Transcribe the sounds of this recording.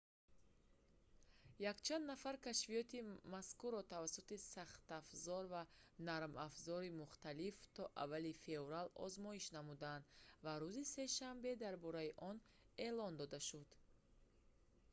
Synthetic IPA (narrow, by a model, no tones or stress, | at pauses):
jakt͡ʃʰand̪nafaɾkaʃvijɔt̪imaskuɾɔt̪ʰavasːut̪isaχt̪afzɔɾvanaɾmafzɔɾimuχt̪alift̪ʰɔʔa̰vːalife̞ɾalɔ̰zmɔiʃnamud̪and̪vaɾuzise̞ʃambe̞d̪aɾbɔɾaiʔɔn | elɔnd̪ɔd̪aʃud̪̥